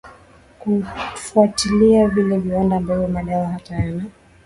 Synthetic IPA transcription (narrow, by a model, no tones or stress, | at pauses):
kufuatiliavilɛviwandambavɔmaɗawahataana